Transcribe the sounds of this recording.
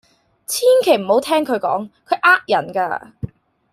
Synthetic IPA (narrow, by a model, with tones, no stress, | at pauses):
t͡sʰiː˥nkʰe˨˩jm̩˨˩ho˨˥wt̪ʰɛː˥ŋkʰɵ˨˧ɥkɔ̰ː˨˥ŋkʰɵ˨˧ɥʔaː˥k̚jɐ˨˩nka̰ː˧